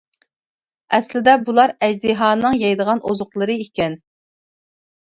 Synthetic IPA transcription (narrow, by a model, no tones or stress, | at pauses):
ɛslɪd̪ɛbulˠɑɾɛzd̪iɦɑːnɨŋjɑjd̪əʁɑnʔozʊχlˠəɾɨikʲɛn